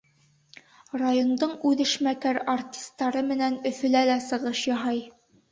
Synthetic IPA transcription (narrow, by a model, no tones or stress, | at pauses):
rajond̪ɤɴʉðɘ̆ʃmækæɾartʲi̥st̪ːɑɾɤmɘ̆nænɵ̆fɵ̆lælæsɤ̆ʁɤʃjɒɦɑj